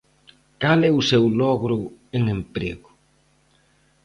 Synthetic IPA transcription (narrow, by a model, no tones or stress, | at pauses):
kalɛʊsewlɔɣɾʊeŋempɾḛɣʊ